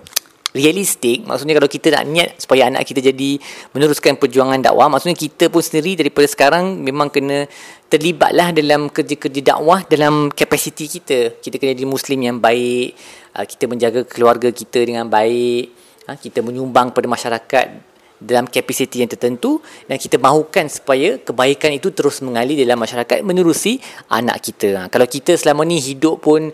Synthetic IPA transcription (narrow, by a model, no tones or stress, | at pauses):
rialist̪ɪk̚ma̰ksuʔɲakalawkit̪əna̰ʔnĩat̪̚su̥pajaana̰ʔkit̪əd͡ʒadimənuɾuskanpərd͡ʒuaŋanda̰ʔwa̰hma̰ksuʔɲakit̪əpʊnsəndiɾidaɾipadasə̥kaɾaŋmẽmãŋkənə̃t̪ərliba̰t̪̚lahdalamkərd͡ʒakərd͡ʒada̰ʔwahdalamkapasit̪ikit̪əkit̪akənəadimuslimjaŋbaɪʔʔə̰ki̥t̪əmə̃ɲd͡ʒaɡakʰəluarɡakit̪ədəŋãnbaɪʔ | akit̪əmə̃ɲumbaŋkə̥padamaʃaɾaka̰t̪̚ | dalamkapasit̪ijaŋt̪ərt̪ənt̪udankit̪əmaɦukansu̥pajakəbaikanit̪ut̪əɾʊsməŋalidalamːaʃaɾaka̰t̪̚mə̃nuɾusiʔa̰na̰ʔkit̪əkalawkit̪əsəlamənĩɦidʊʔpʊn